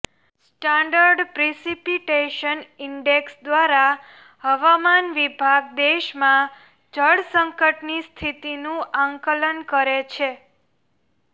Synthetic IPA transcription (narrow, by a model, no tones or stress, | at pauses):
sʈãɳɖəɾɖpɾisipiʈeʃəniɳɖeksd̪ʋaɾa | həʋamanʋibʱaɡd̪eʃmã | d͡ʒʱəɽsəŋkəʈnist̪ʰit̪inũʔãŋkələnkəɾet͡ʃʰe